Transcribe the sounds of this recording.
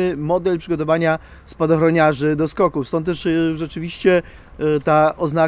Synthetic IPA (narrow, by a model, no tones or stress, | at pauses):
ɘmɔd̪ɛlpʂɘɡɔt̪ɔvaɲa | spad̪ɔxɾɔɲaʐɘd̪ɔskɔkufst̪ɔnt̪t̪ːɛʂʐɛt͡ʂɘvʲiɕt͡ɕɛ | t̪aʔɔzna